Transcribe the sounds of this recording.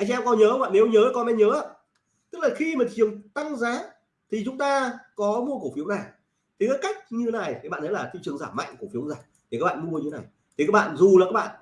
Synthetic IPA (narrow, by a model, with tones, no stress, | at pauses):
ʔa˧jŋʔɛ˧mkɔ˧nɲəː˨˦wa̰˧˨ne˨˦wɲəː˨˦kɔ˧˦mɛ˧ɲəː˨˦ʔa˧ | t̪ɨ˦˥k̚laː˨˩xi˧maː˨˩t͡ɕi˨˩əŋ͡mt̪a˧ŋzaː˨˦ | t̪ʰi˨˩t͡ɕʊ˨˦ŋ͡mt̪aː˧kɔ˨˦mu˧ək̬u˧˩fi˨˦əwna˨˩j | t̪ʰi˨˩kaː˨˦jka˦˥jk̚ɲɨ˧e˨˦na˨˩jːɓa̰˧˨nʰə˨˦laː˨˩t̪ʰḭ˧˨t͡ɕɨ˨˩əŋzaː˧˩ma̰˧˨jŋku˧˩əfi˨˦əwzaː˨˧˩jt̪ʰi˨˩kaː˦˥ɓa̰ː˧˨mu˧əɲɨ˧t̪e˨˦na˨˩j | t̪ʰi˨˩kaː˦˥k̚ɓa̰ː˧˨nzu˨˩laː˨˩kaː˦˥ɓa̰ː˧˨